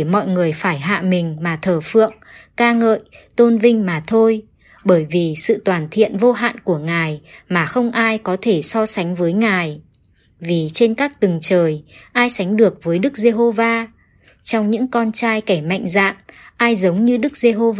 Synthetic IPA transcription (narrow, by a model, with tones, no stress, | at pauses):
mɔ̰˧˨jŋɨ˨˩əjfaː˧˩jɦa̰ː˧˨mï˨˩ŋ̟maː˨˩t̪ʰəː˨˩fɨ̰˧˨əŋkaː˧ŋə̰ː˧˨jt̪o˧nvï˧ŋ̟maː˨˩t̪ʰo˧j | ɓəː˧˩jvi˨˩sɨ̰˧˨t̪waː˨˩nt̪ʰḭ˧˨ənvo˧ɦa̰ː˧˨nku˧˩əŋaː˨˩jmaː˨˩xə˧wŋ͡mʔaː˧jkɔ˨˦t̪ʰe˧˩sɔ˧sa˨˦jŋ̟vəː˨˦jŋaː˨˩j | vi˨˩t͡ɕe˧nkaː˦˥k̚t̪ɨ˨˩ŋt͡ɕəː˨˩jʔaː˧jsa˨˦ŋ̟ɗɨ˨˩ək̚vəː˨˦jɗɨ˦˥k̚ze˧ɦo˧vaː˧ | t͡ɕɔ˧wŋ͡mɲɨ̰˧˥ŋkɔ˧nt͡ɕaː˧jkɛ˧˩ma̰˧˨jŋ̟za̰ː˧˨nʔaː˧jzə˨˦wŋ͡mɲɨ˧ɗɨ˦˥k̚ze˧ɦo˧v